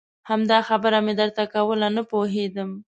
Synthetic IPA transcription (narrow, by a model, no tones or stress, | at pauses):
hamd̪ɑxabəɾamed̪əɾt̪akawəlanəpoɦed̪əm